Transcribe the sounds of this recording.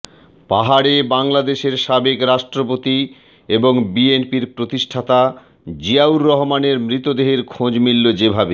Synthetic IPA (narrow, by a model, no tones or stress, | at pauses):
paɦaɽebaŋlad̪eʃeɾʃabekɾaʃʈɾopot̪i | eboŋbienpiɾpɾot̪iʃʈʰat̪a | d͡ʑiauɾːɔɦomaneɾmɾit̪od̪eɦeɾkʰõd͡ʑmilːod͡ʑebʱabe